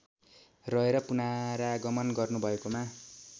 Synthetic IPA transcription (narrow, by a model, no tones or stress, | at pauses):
rʌɦeɾʌpunaɾaɡʌmʌnɡʌrnubʱʌekoma